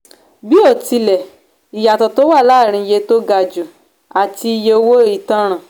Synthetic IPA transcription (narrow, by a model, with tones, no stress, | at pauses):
bi˦ɔ˦˨ti˧lɛ˨ | i˨ja˨tɔ˨to˨˦wa˦˨laː˦˨ɾ̃ĩ˧je˧˦to˦ɡa˧d͡ʒu˨ | a˨ti˧i˧je˧o˧wo˦i˦˨tã˦ɾ̃ã˨